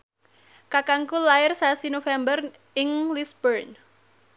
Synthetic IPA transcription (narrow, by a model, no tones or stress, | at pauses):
kakaŋkulaɪrsasinofɛmbər | ɪŋlisbərn